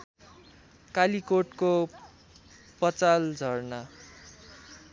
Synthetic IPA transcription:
kalikoʈko | pʌt͡sald͡zʱʌrna

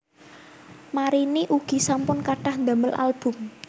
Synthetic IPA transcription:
maɾiniʔuɡ̥i̤sampʊnkaɖahnd̪a̤məlʔa̰lb̥ʊ̤m

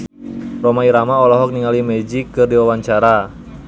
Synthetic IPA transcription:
rɔmaiɾamaɔlɔɦɔk̚niŋalimɛd͡ʒikːɨrdiwawaɲt͡ʃaɾa

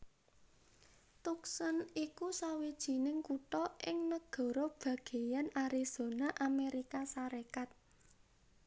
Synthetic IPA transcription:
t̪uksənikusawid̥ʒ̥i̤nɪŋkuʈɔʔɪŋnəɡ̥ɔ̤ɾɔb̥ä̤ɡ̥e̤janaɾiz̥o̤naʔameɾikasaɾekat̪̚

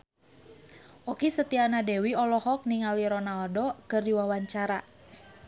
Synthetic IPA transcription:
ʔɔkisət̪ianadɛwiɔlɔhɔk̚niŋaliɾɔnaldokɨrdiwawaɲt͡ʃaɾa

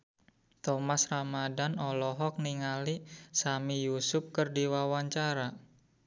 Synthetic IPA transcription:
t̪ɔmasramadanɔlɔɦɔk̚niŋalisamijusʊp̚kərdiwawaɲt͡ʃaɾa

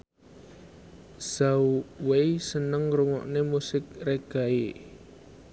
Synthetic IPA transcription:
sauwejsənəŋruŋɔ̰ʔnemusɪk̚reɡ̥a̤e

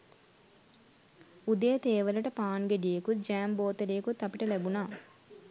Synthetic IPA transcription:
ud̪ejɐt̪eːʋɐlɐʈɐpaːnɡeɖijekud͡ʒæːmboːt̪ɐɖejkut̪ɐpiʈɐlɛbunaː

